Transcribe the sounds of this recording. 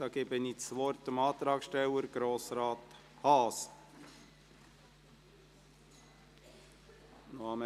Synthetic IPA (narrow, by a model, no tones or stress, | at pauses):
ɑɡ̥eːbənit͡sʋɔɾt̪əmɑːt̪ɾɑːksʃtɛwəɾɡ̥ɾoːsɾɑːt̪ | hɑːs | nohɑmə